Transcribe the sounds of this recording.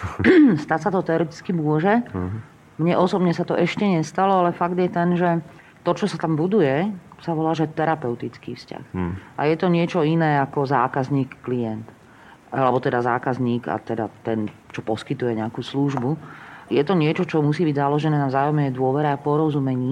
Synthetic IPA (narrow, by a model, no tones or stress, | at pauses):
st̪acsat̪ɔt̪ɛɔɾɛt̪i̥t͡skimʊɔʒɛ | mɲɛʔɔsɔbɲɛsat̪ɔʔɛʃcɛɲɛst̪alɔalɛfaɡd̪jɛt̪ɛnʒɛ | t̪ɔt͡ʃɔsat̪ambud̪ujɛsaʋɔlaːʒɛt̪ɛɾapɛʊt̪it͡skḭːfsca̰xa̰jɛt̪ɔɲɪɛt͡ʃɔinɛːakɔzaːkazɲiːkːlijɛnt̪ | alɛbɔt̪ɛd̪azaːkazɲiːɡa̰t̪ɛd̪a̰t̪ɛnt͡ʃɔpɔskit̪ujɛɲɛakuːsluʒbujɛt̪ɔɲɪɛt͡ʃɔt͡ʃɔmusiːbiɟzalɔʒɛnɛːnavzaːjɔmɛjd̪ʊɔʋɛɾɛapɔɾɔzumɛɲiː